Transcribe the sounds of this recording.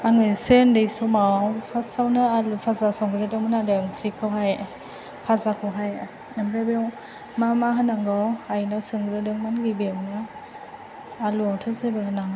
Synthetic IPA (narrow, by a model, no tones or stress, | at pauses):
aŋɯjsendɯjsɔmawpʰasawnɯalupʰazasɔŋɡɯɾɯdɯmɯnadɯŋkʰɾikʰɯwɦaj | pʰazakʰɯwɦaj | namɾebɔw | mamaɦɯnaŋɡɔajnawsɯŋɡɯɾɯdɯŋmanɡibeawnɯ | aluawtʰɯzebɯnaŋ